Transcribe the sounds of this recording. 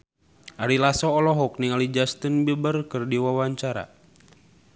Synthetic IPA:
ʔaɾilasɔːlɔɦɔk̚niŋalid͡ʒast̪ənbəbərkɨrdiwawaɲt͡ʃaɾa̰

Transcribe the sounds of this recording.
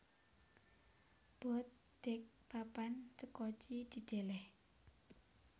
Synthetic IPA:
b̥ɔt̪̚ | d̪̥ɛk̚papant͡ʃəkɔt͡ʃid̪̥i̤d̪̥e̤lɛh

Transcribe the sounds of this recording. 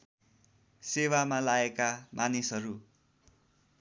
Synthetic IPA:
sewamalaekamʔanisʌɾu

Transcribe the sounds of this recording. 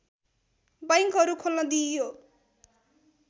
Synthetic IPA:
bajŋkɦʌɾukʰolnʌd̪ijo

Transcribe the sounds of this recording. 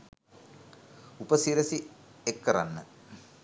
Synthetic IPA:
upəsiɾəsiekːəɾa̰nːə

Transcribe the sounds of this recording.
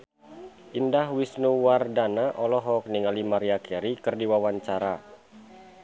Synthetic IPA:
ʔindahwisnuwardanaʔɔlɔɦɔk̚niŋalimaɾiakʰɛɾikɨrdiwawaɲt͡ʃaɾa

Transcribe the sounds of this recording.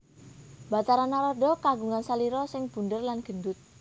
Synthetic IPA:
b̥a̤t̪aɾanaɾɔɖɔ̤kaɡuŋansaliɾɔsɪŋb̥und̪ərlanɡ̥ə̤nd̪ʊt̪̚

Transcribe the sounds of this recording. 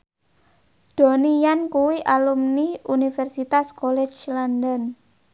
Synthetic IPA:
d̪̥o̤nijankuwiʔalumniʔunifɛrsit̪askolɛt͡ʃland̪ən

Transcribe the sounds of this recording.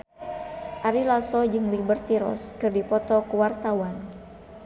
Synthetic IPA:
ʔaɾilasɔd͡ʒɨŋlibərt̪iɾɔ̰skɨrdipɔt̪ɔkəwart̪awan

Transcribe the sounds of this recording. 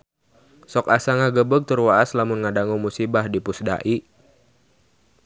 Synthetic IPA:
sɔkasaŋaɡəbəɡ̚t̪urwaaslamʊnŋadaŋɔmusibahdipusda̰ʔi

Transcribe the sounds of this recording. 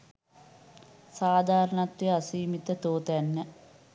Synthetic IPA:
saːd̪ʱaːɾəɳat̪ːʋiasiːmit̪ət̪oːt̪ænːə

